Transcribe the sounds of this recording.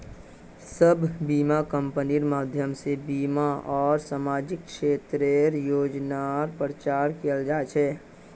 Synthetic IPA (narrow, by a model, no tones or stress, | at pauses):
səbbiːmakə̃mpəniɾmaːd̪ʱjəmsebiːmaʔɔːɾsaːmaːd͡ʒɪkːʃeːt̪ɾeɾjoːd͡ʒnaɾpɾət͡ʃaːɾkijəld͡ʒaːet͡ʃʰɛː